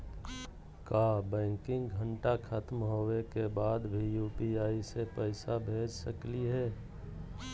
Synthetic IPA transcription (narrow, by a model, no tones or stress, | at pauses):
kaːbɛ̃ːŋkɪ̃ŋɡɡʱəɳʈakʰat̪mɦoːwekebaːd̪bʱijuːpiaːisepəɪsabʱeːd͡ʒsəkliɦɛː